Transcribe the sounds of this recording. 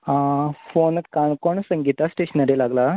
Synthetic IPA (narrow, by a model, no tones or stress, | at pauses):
ãfonət̪kaɳkoɳsəŋɡit̪asʈeɕənəɾelaɡla